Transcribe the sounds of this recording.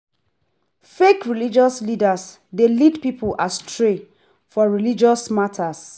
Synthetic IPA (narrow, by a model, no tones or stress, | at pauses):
fekɹilid͡ʒɔslidas | delidpipʰulʔastʰɹe | fɔɹilid͡ʒɔsmatʰas